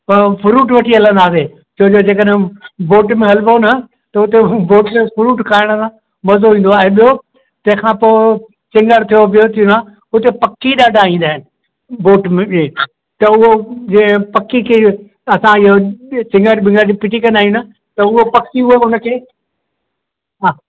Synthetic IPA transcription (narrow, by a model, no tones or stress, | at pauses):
pɐfʰʊɾuːʈʋɐʈʰiɦɐlə̃nd̪aːse | t͡ɕʰoɦd͡ʑod͡ʑeːkəɗɦɪ̃boːʈmẽɦɐlʋonɐ | t̪ɐʊt̪eboːʈefʊɾuːʈkʰaːɪɽ̃əsã | mɐzoĩːn̆d̪oaːɦẽɓijo | t̪ɐ̃ɦɪ̃kʰãpoː | t͡ɕɪ̃ŋɡəɽt̪ʰijobijot̪ʰijona | ʊt̪epɐkːiɗaːɖʱaĩːnd̪aːɦɪnɪ̆ | boːʈmẽeː | t̪ɐʊɦod͡ʑĩpɐkːikʰeː | ɐsãɪɦot͡ɕɪ̃ŋɡəɽbɪ̃ŋɡəɾd͡ʑipɪʈikɐ̃nd̪aːɦij̃nɐ | t̪ɐʊɦopɐkːiʊɦeʊnəkʰeː | ɦaː